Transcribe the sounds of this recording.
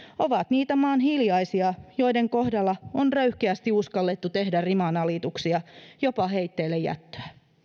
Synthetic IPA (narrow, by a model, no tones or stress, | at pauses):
oʋɑt̪niːt̪æmɑːnɦiljɑisiɑjo̞ideŋko̞hdɑlːɑonrøyhkeæst̪iuskɑlːet̪ːut̪e̞hdærimɑnɑlit̪uksiɑjopɑɦeit̪ːeːlːejæ̰t̪ːø̥æ